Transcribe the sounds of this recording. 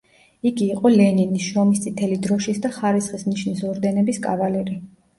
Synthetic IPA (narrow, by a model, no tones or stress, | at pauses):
iɡiːqʼɔlɛninisʃɾɔmist̪sʼit̪ʰɛlid̪ɾɔʃisd̪aχaɾisχismniʃnisɔɾd̪ɛnɛbiskʼavalɛɾi